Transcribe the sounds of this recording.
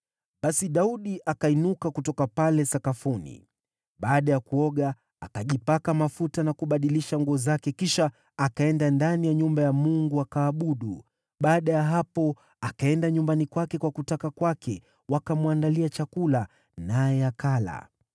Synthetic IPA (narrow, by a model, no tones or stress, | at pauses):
ɓasiɗauɗiʔakainukakutɔkapalɛsakafunḭ | ɓaːɗajakuɔɠaː | kaʄipakamafutanakuɓaɗiliʃaŋɡuɔzakɛkiʃaː | kaɛndandanijaɲumbajamuŋɡuakaːɓuɗu | ɓaːɗajaɦapɔ | akaɛndaɲumbanikwakɛkwakutakakwakʰɛ | wakamuwandaliat͡ʃakula | najɛakala̰